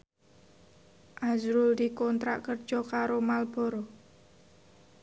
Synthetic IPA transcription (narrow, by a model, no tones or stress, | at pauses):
ʔazɾʊld̪ikɔnt̪ɾa̰ʔkərd̥ʒ̥ɔkaɾomalb̥ɔ̤ɾɔ